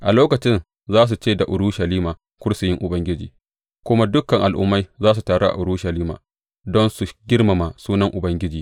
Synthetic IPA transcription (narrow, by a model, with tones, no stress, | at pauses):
ʔa˨loː˦kɐ˨t͡ʃɪ˦n | zaː˦s̬u˨t͡ʃeː˦˨da˨ʔʊ˨ɾuː˦ʃɐ˨liː˦maː˨ | kʷʊ˦ɽsʊ˨jɪ˦ŋʔʊ˨bɐ˦ŋɡʲɪ˦d͡ʒiː˨ | kʷʊ˦ma˦dʊ˦kɐ˨ŋʔa˨lʔʊ̰˦mːa˦jzaː˦s̬u˨taː˨ɽo˦ʔa̰˨ʔʊ˨ɾuː˦ʃɐ˨liː˦ma̰ː˨ | dɔ˦nsu˨ɡʲɪ˦rma˨ma˨suː˦nɐ˦ŋʔʊ˨bɐ˦ŋɡʲɪ˦d͡ʒiː˨